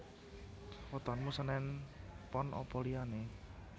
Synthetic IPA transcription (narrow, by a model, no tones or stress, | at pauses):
wɔt̪ɔnmusənɛnpɔnʔɔ̰pɔliane